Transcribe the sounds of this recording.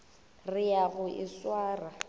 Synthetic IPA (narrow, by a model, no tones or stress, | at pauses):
rɪjaɣʊʔɪswaːra